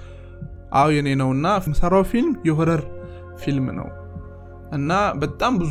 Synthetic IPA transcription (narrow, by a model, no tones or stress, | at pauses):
ʔawjɛnenəwɨnːaməsaɾawfilmjɛɦəɾəɾ | filmnə̰w | ʔɨnːabət̪ʼːambɨz